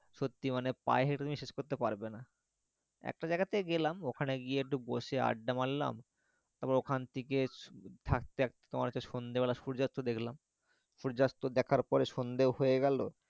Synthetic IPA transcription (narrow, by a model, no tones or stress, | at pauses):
ʃot̪ːimanepa̰eɦeʈt̪umiʃeʃkoɾt̪epaɾbena | ɛ̰k̚ʈad͡ʑaeɡat̪ʰeeɡelamokʰaneɡieek̚ʈuboʃea̰ɖːamalla̰m | t̪aɾpɔɾeokʰant̪ʰeket̪ʰak̚t̪eɛk̚t̪ʰe̥keɔ̰maɾt͡ɕaʃond̪ebɛlaʃuɾd͡ʑast̪od̪ekʰlam | ʃuɾd͡ʑast̪od̪ɛkʰaɾpɔɾeʃond̪eoɦojeɡɛlo